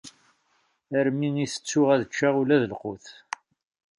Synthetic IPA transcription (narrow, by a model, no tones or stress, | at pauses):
əɾmiŋiθə̥t͡sːʊʁæðət͡ʃːaʁulæðəlqoθ